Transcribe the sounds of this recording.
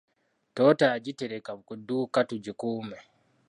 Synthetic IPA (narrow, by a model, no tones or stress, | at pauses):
toːtaːɟiteɾekaβukudukatuɟikuːme